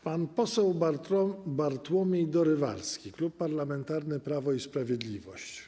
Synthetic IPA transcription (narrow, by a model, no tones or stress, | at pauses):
panpɔsɛwbaɔbaɾt̪wɔmʲjɛjd̪ɔɾɘva̰ɾskʲiklupːaɾlamɛnt̪aɾnɘpɾavɔispɾavʲjɛd̪lʲivɔɕt͡ɕ